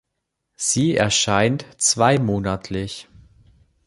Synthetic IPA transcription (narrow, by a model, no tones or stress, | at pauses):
z̥iːɛ̰ɐʃaɪntt͡sv̥aɪmoːnatʰlɪç